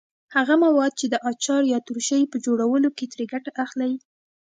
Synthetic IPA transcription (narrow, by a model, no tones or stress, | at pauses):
haɣamawɑd̪̚t͡ʃed̪əʔɑt͡ʃɑɾjɑt̪uɾʃəjpəd͡ʒoɽawəloket̪ɾeɡaʈaʔaxlaj